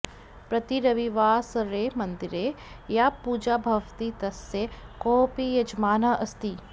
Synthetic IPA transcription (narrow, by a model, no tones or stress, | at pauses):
pɾɐt̪iɾɐʋiʋaːsɐɾeːmɐnd̪iɾeː | japuːd͡ʒaːbʱɐʋt̪it̪ɐsjekoːpijɐd͡ʒmaːnaʔɐst̪i